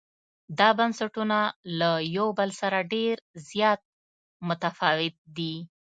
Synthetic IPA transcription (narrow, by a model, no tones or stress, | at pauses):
d̪ɑbansaʈunalajawbəlsaɾaɖeɾzjɑt̪̚ | mʊt̪afɑwɪt̪̚d̪i